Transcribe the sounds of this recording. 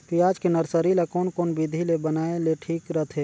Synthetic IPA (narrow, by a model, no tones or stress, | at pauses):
pijaːd͡ʒkinəɾsəɾilekoːnkoːnbid̪ʱilebənaːeleʈʰiːkɾət̪ʰeː